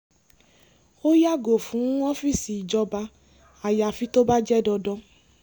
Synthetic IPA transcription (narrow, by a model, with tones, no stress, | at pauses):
o˦ja˦ɡo˨fũ˨˦ɔ˦fi˦˨si˨d͡ʒɔ˧ba˧ | a˨ja˨fi˦t̪o˦ba˦d͡ʒɛ˦dɔ˧dɔ˦